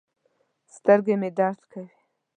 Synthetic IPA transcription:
st̪əɾɡemed̪aɾt̪kawi

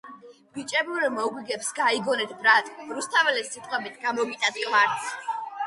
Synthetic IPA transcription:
b̥it͡ʃʼɛbuɾɛmɔɡwiɡɛpsɡaiɡɔnɛt̪ʰbɾat̪ʼɾust̪ʰavɛlɛsit̪ʼqʼwɛbit̪ʰɡamɔvit̪ʼat̪kʼvaɾt̪sʰ

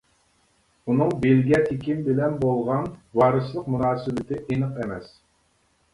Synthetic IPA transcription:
unɨŋbelɡʲiɛt̪ʰekʲimbɪlɛnbolˠʁɑnwɑːɾɨslˠəqmunɑːsɨbɪt̪ʰɪʔenɨqɛmɛs

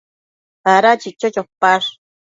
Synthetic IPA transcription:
aɾat͡ʃit͡ʃot͡ʃopːaɾ

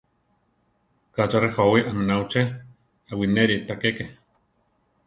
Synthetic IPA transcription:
kat͡ʃarehowiʔamenawt͡ʃe | awineɾit̪akeke

